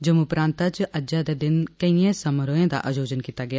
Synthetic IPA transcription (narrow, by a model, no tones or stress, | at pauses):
d͡ʒəmuʊpɾãːnt̪at͡ʃʔəd͡ʒãd̪eːd̪ɪnkəiãːsəməɾoːãːd̪a̰ːʔad͡ʒoːd͡ʒənkiːt̪aːɡɪjaː